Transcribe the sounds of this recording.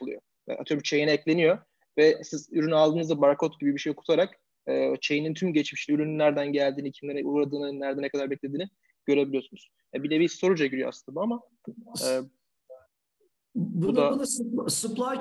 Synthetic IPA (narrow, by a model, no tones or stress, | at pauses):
ulˠṵjo̰ | ja̰ʔa̰t̪ʰɯjobut͡ʃʰe̞jinɛɛclʲe̞nijo̞ | vɛsizyɾynyalˠd̪ɯːnɯzd̪abaɾakʰot̪ɟibibiʃe̞jo̞kʰu̥t̪ʰaɾak | ɯːt͡ʃʰe̞jinint̪ʰymɟet͡ʃmiʃiyɾynlːʲæɾd̪ænɟælʲd̪iːnicʰimlʲeɾɛʔuɾad̪ɯːnɯnːæɾd̪ɛnɛkʰad̪aɾbɛclʲed̪iːni | ɟ̥ø̞ɾe̞bilʲijo̞sunuz̥ | jabilʲɛbiso̞ɾud͡ʒaɟyɾyjo̰a̰sɯnabuama | ɛː | buud̪aspsuplˠa